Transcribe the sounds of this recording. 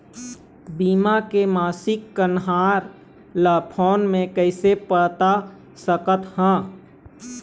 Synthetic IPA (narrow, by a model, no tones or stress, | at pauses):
biːmakemaːsɪkːənɦaːɾ | laːpʰɔːnmẽkəɪsepəɽt̪a | səkət̪hã